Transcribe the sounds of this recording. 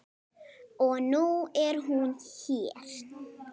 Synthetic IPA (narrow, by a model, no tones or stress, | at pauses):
onuɛɾɦunhiɾ